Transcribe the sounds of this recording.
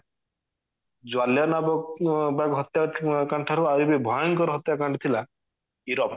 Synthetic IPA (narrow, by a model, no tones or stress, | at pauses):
d͡ʒwaljɔnabɔbakɦɔt̪jakaɳʈʰaɾaɾibebʱɔjɔnkɔɾɔɦɔt̪jakaɳʈʰt̪ʰila | iɾɔp